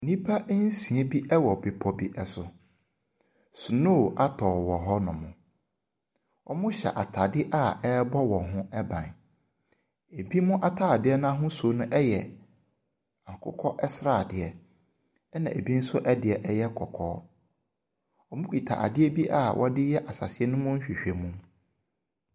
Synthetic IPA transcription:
nĩ˦pʰa˦n̩˦sĩ˨ɛ˦bi˦ʔɛ˦wɔ˨bɪ˨pʰɔ˨bi˨ʔɛ˨sʊ˨ | sʊ˨no˦˨ʔa˦tʰɔː˨wɔ˨ɦɔ˦nʊ̃˨mʊ̰̃˨ | ɔ˨mʊ̃˦ɕɛ̰˨ʔa˨tʰa˨dɪ˦ʔa˦˨ɛ˦bɔ˦wɔ̃˨ɦʊ̃˦ɛ˦bã̰˨n | e˨bi˦mʊ̃˦ʔa˨tʰaː˦˨dɪ˦ɛ˦nã˦ɦʊ̃˦so˨˦nʊ̃˦ʔɛ˦jɛ˨ | a˨kʰʊ̰˦kʰɔ˦ʔɛ˦sɾa˨dɪ˨ɛ˦ | ɛ˦nã˨ʔe˨bi˦n̩˦sʊ˦ʔɛ˦dɪ˨ɛ˨ʔɛ˦jɛ˦kʰɔ˨kʰɔː˦ | ɔ˨mʊ̃˦kʰi˨tʰa̰˨ʔa̰˨dɪ˦ɛ˦bi˦ʔa˦˨wʔɔ̰˦dɪ˦jɛ˦ʔa˨sa̰˨sɪ˦ɛ˦nʊ̃˦mʊ̃˦n̩˦ɕᶣi˨ɕᶣe˨mũ˦

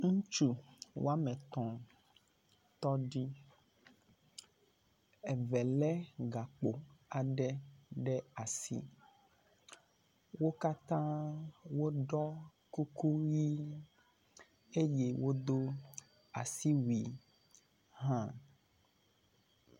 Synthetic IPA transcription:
ŋũ˦t͡ʃu˦wʔo̰˦a˦mɛ̃˨t̪ɔ̃˨ | t̪ɔ˦ɖi˦ | ɛ˨vɛ˨lɛ˦ɡa˨k͡po˨a˨ɖɛ˦ɖɛ˦a˨sḭ˦ | wo˦ka˦t̪ã˦wo˦ɖɔ˦ | ku˦ku˦ji˦ | e˦je˦wo˦d̪o˦ | a̰˨si˦wi˨ | ɦã˦

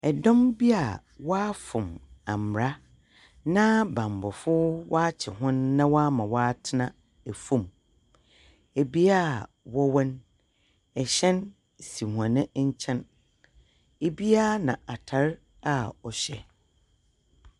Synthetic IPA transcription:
ɛ˨dɔ̃˦mbi˦a˨ | wa˦fʊ̃˨mã˨m˨ɾa˦ | nã˦bã˨m˨bɔ˨fʊ˦wa˦t͡ɕʰɪ˨ɦʊ̃˦nːã˦wa˦mã˨wa˦tʰɪ˦nã˦ | æ˨fũ˨m | e˨bi˦a˦˨ | wɔ˦wɔ̃˦n | ɛ˨ɕɛ̃˦n | si˨hũ˨ã˨nɪ̃˦ɲ̩˦t͡ɕʰɛ̃˦n | e˨bi˦a˦nã̰˨ʔa˨tʰa˨ɾ | a˨ɔ˨ɕɛ˦

